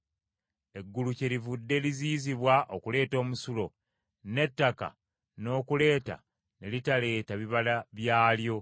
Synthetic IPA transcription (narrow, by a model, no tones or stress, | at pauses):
e̞ɡːuluce̞ɾivudːe̞liziːziβwaʔo̞kule̞ːto̞ːmusulo̞ | ne̞tːaka̰ | no̞ːkule̞ːta̰ | ne̞litale̞ːtaβiβalaβjaːljo̞